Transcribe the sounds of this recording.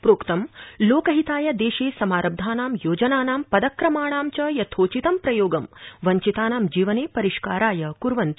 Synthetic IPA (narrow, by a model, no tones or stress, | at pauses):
pɾoːkt̪ɐmloːkɐɦit̪aːjɐd̪eːʃeːsɐmaːɾɐb̚d̪ʱaːnaːmjoːd͡ʒɐnaːnaːmpɐd̪ɐkɾɐmaːɳ̃aːmt͡ʃɐjɐt̪ʰoːt͡ʃit̪ɐmpɾɐjoːɡɐmʋɐɲt͡ʃit̪aːnaːmd͡ʒiːʋɐneːpɐɾiʃkaːɾaːjɐkuɾʋɐnt̪